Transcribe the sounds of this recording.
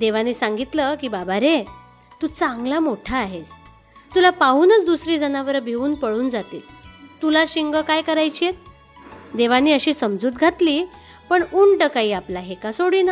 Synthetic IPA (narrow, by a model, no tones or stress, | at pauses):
d̪eʋaniːsãŋɡit̪ləkiːbabaɾe | t̪uːt͡sãŋɡlamoʈʰaːɦet͡s | t̪ulapauːnət͡sd̪usɾiːd͡zənaʋəɾbʱeuːnpəɽuːnd͡zat̪ḭːlt̪ulaɕiŋɡəkajkəɾajt͡ɕijet̪̚ | d̪eʋaniːəɕiːsəmd͡zuːt̪ɡʱat̪liː | pəɳuɳʈəkaɦiːaplaɦekasoɽiːna